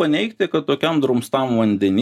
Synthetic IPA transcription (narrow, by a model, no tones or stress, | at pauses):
ɐnʲɛɪkt̪ʲɪkɐt̪t̪oːkʲɛmd̪ɾʊmst̪ɐmʋɐnʲd̪ʲɛnʲi